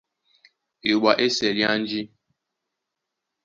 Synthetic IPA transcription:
ɪ˨ɡ͡ba˨ʔe˦se˨ɾja˦n̩˦d͡ʒɪ˦

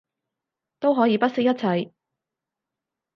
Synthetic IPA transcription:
t̪o˥wɦɔː˨˥jiː˨˧pɐ˥t̚sɪ˥k̚jɐ˥t̚t͡sʰɐ˨˧˩j

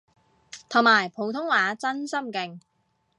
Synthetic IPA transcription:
t̪ʰʊ˨˩ŋŋ͡mmaː˨˩jpʰo˨˧wt̪ʰʊ˥ŋwaː˨˧t͡sɐ˥nsɐ˥mkɪ˨ŋ

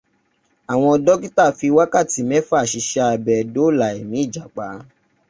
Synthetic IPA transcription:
a˨w̃ɔ̃˧ɔ˧dɔ˦ɡi˦ta˦˨fi˧wa˦ka˦˨ti˨˦mɛ̃˦fa˦˨ʃi˨˧ʃa˧˨bɛ˨do˨˦˨la˨e˨mĩ˨˦i˦˨d͡ʒa˨k͡pa˨˦

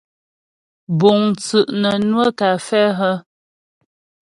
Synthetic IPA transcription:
bo˨ŋt͡sʉ˨ʔnə˨nwə˦ka˨fɛ˦ɦə˦

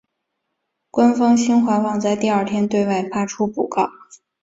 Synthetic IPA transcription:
kwa˥nfɑ˥ŋɕi˥nxwa˧˥nwɑ˥˧ŋt͡sa˥˧ɪt̪i˥˧ɐ˞˥˩t̪ʰjɛ˥nt̪we˥˧ɪwa˥˩ɪfa˥ʈ͡ʂʰu˥pu˨˩kɑ˥˩ʊ

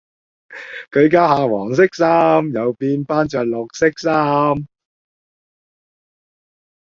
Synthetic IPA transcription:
kɵ˨˧ɥkaː˥haː˨˧wɔː˨˩ŋs̬ɪ˥k̚saː˥mjɐ˨wpiː˧npaː˥nt͡ʃœː˨k̚lʊ˨k̚sɪ˥k̚saː˥m

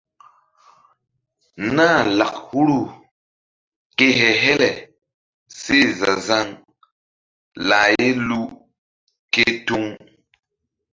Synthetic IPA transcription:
na˦˨la˨k̚hu˦ɾu˦ | ke˦ɦɛ˨ɦɛ˦lɛ˨ | se˦˨za˨za˦ŋ | la˨je˦lu˦ | ke˦tu˦ŋ

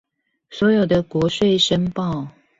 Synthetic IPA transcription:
swɔ˧˥jo˨˩ʊd̪ə˦kwɔ˧˦ʂwe˥˧ɪʂə˥npɑ˥˩ʊ

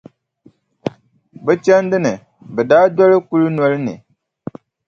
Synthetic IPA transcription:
bɛ˦t͡ʃɛ˦n˦dɨ˦nɨ˨ | bɛ˨daː˦dɔ˦lɨ˦ku˦lɨ˦nɔ˦lɨ˦nɨ̰˨

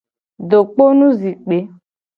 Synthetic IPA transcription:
ɖo˨k͡po˦nũ˦zi˨k͡pe˨˦

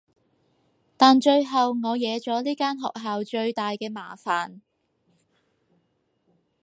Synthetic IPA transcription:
t̪aː˨nt͡ʃɵ˧ɥɦɐ˨wŋɔː˨˧jɛː˨˧t͡ʃɔː˨˥liː˥kaː˥nɦɔ̰ː˨k̚ɦaː˨wt͡ʃɵ˧ɥt̪aː˨jkɛː˧ma̰ː˨˩faː˨n

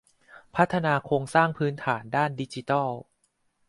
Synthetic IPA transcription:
pʰa˦˥t̪ʰːa˧naː˧kʰoː˧ŋsaː˥˩ŋpʰɯː˦˥nt̪ʰaː˩˦ndaː˥˩ndi˦˥t͡ɕi˧t̪ɔ˥˩

